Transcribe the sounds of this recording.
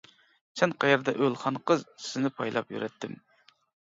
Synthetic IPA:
sɛnqʰɑjɛɾd̪ɛʔølˠχɑnqəzsɪnɪpʰɑjlˠɑpjy̰ɾɛt̪ʰːɪm

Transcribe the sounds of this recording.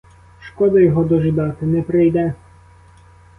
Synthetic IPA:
ʃkɔd̪ɐjɔɦɔd̪ɔʒɪd̪ɑt̪ɪnɛpɾɪjd̪ɛ

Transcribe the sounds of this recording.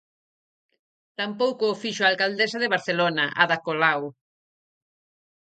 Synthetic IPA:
t̪ampowkʊːfiʃoalkald̪esaðeβ̞aɾθelonɐʔaðakolaw

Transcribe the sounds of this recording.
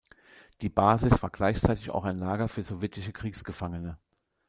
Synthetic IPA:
d̥iːbaːzɪsv̥a̰ːɐɡlaɪçt͡saɪtɪça̰ʊxaɪnlaːɡɐfyːɐzɔvjɛtɪʃəkʁ̥iːksɡ̥əfaŋənə

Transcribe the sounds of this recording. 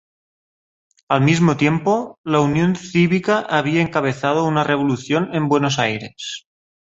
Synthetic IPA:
almizmot̪je̞mpolaunjo̞nθiβikaʔaβ̞iaeŋkaβ̞e̞θaðounare̞β̞oluθjonẽmbwe̞nosajɾe̞s

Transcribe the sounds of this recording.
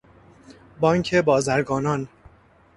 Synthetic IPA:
bɒːŋcʰebɒːzæɾɡɒːnɒn

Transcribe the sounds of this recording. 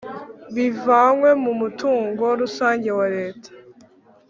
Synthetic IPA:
βivaŋwe̞mumutʰuːŋɡo̞ɾusaːɲɟe̞waɾe̞ːtʰḁ

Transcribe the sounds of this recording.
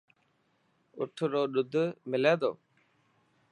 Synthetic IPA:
ʊʈʰɾoːɗʊd̪ʱmɪleːd̪o̰ː

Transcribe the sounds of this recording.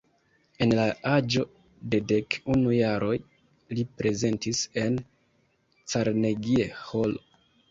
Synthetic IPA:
e̞nlaad͡ʒo̞ | de̞de̞kunujaɾo̞j | lipɾe̞ze̞ntise̞n | t͡saɾneɡieho̞lo

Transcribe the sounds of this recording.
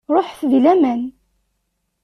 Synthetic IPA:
ɾˤoħfðlæmæn

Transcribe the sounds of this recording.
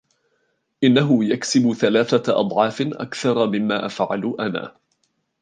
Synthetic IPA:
ʔɪnːaɦʊjaksɪbʊθalaːθaʔɑ̰d̪ˤʕɑːfɪʔa̰kθɑɾˤɑmɪmːaːʔafʕa̰lʊʔana̰ː

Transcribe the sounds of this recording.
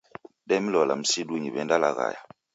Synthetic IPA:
ɗɛmilɔlam̩siduɲibɛndalaɣa̰ja

